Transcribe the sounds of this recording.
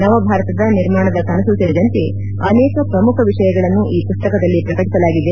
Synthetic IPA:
nɐʋɐbʱaːɾɐt̪ɐd̪ɐniɾmaːɳɐd̪ɐkɐnɐsɐsɐdɐd̪ɐnt̪i | ɐneːkɐpɾɐmukʰɐʋiʂɐjɐɡɐɭɐnːuʔiːpust̪ɐkɐd̪ɐlːipɾɐkɐʈisɐlaːɡid̪e

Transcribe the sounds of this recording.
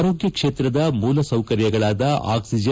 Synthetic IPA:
ɾoːɡjɐkʂeːt̪ɾɐd̪ɐmuːlɐsɐwkɐɾjɐɡɐɭaːd̪ɐa̰ːksid͡ʒɐ

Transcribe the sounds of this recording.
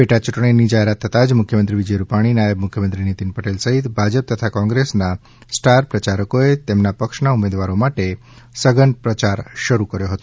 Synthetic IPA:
beʈat͡ʃuʈɳ̃inid͡ʒaɦeɾat̪ʰːət̪ad͡ʒmʊkʰjəmənt̪ɾiʋid͡ʒəjɾupaɽ̃inajəbmʊkʰjəmənt̪ɾinit̪inpəʈelsəɦit̪bʱad͡ʒəp̚t̪ət̪ʰakɔ̃ŋɡɾesna | sʈaɾpɾət͡ʃaɾəkoet̪emnapəkʃnaumed̪ʋaɾomaʈe | səɡənpɾət͡ʃaɾʃəɾukəɾjoɦət̪o

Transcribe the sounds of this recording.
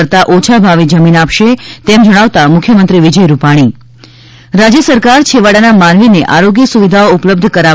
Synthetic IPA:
ɾt̪aʔot͡ʃʰabʱaʋid͡ʒəminapʃet̪emd͡ʒəɽ̃aʋt̪amʊkʰjəmənt̪ɾiʋid͡ʒəjɾupaɽ̃i | ɾad͡ʒjəsəɾkaɾt͡ʃʰeʋaɽanamanʋineʔaɾoɡjəsuʋid̪ʱaoʊpləb̚d̪ʱkəɾa

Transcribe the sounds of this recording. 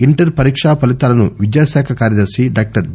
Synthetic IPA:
iɳʈɐɾpɐɾiːkʂaːpɐlit̪aːlɐnuʋid͡ʒjaːsaːkʰɐkaːɾjɐd͡ʒeːsiɖaːk̚ʈɐɾ

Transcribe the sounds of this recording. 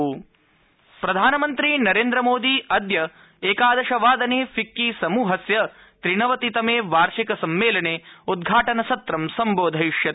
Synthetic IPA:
pɾɐd̪ʱaːnɐmɐnt̪ɾinɐɾeːnd̪ɾɐmoːd̪iɐd̪jɐ | eːkaːd̪ɐʃɐʋaːd̪ɐneːfʰikːisɐmuːɦɐsjɐ | t̪ɾiɳɐʋɐt̪it̪ɐmeːʋaːɾʂikɐsɐmʋeːlɐneːud̪̚ɡʱaːʈɐnɐsɐt̪ɾɐmsɐmboːd̪ʱɐjiʂjɐt̪

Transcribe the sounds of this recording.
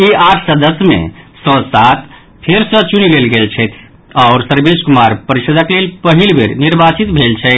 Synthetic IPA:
iaʈʰsəd̪əsmḛsɔ̃sat̪ | pʰeɾsə̃t͡ʃunilelɡelt͡ʃʰɛt̪ʰ | aʊɾsəɾbeskumaɾpəɾiʃəd̪əklelpəɦilbʱeɾniɾbat͡ʃit̪bʱelt͡ʃʰɛ

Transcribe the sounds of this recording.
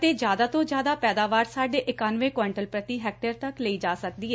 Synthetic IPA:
t̪eːd͡ʒjaːd̪aːt̪õːd͡ʒjaːd̪aːpɛːd̪aːʋaːɾsaːɖeːʔɪkaːnʋẽːkaːɪɳʈəlpɾət̪iːɦɛːk̚ʈəɾt̪əkləiːd͡ʒaːsək̚d̪iːɛː

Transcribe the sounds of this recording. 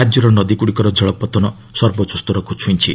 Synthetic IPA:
ad͡ʒjɔɾɔnɔd̪ikuɽikɔɾɔd͡ʒʱɔɭɔpɔt̪ɔnɔ | sɔɾbɔt͡ʃust̪ɔɾɔkut͡ʃʰunt͡ʃʰi

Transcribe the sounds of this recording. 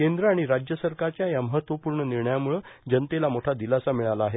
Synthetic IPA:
kend̪ɾəaɽ̃iɾad͡ʑjəsəɾkaɾt͡ɕjajaməɦət̪ʋəpuːɾɳəniɾɳəjamuɭəd͡ʑənt̪elamoʈʰad̪ilasamiɭalaːɦe

